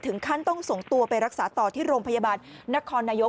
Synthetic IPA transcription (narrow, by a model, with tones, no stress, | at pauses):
t̪ʰɯ˩˦ŋkʰa˥˩nt̪ɔ˥˩ŋso˨˩ŋt̪u˧ɐpa˧jɾa˦˥k̚saː˩˦t̪ɔː˨˩t̪ʰiː˥˩ɾoː˧mpʰa˧ja˧baː˧nːa˦˥kʰɔː˧nːaː˧jo˦˥